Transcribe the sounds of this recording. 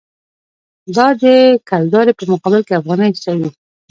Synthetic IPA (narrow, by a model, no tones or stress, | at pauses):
d̪ɑd̪əkald̪ɑɾepəmʊqɑbɪlkeafɣɑnḁsawi